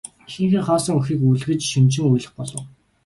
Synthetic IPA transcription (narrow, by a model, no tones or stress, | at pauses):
xiːŋxɘ̆ːŋχɔːsɞ̆ŋuxiːkujɮɣɘ̆t͡ɕʃimt͡ɕɪ̆ŋujɮɘ̆χpɔɮɞ̆w